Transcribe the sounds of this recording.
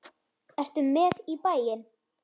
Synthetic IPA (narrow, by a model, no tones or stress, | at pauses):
ɛst̪ʏmːɛðipaːjɪn